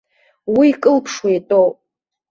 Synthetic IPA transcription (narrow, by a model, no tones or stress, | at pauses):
wiːkʼɨlpʰʂwijtʼow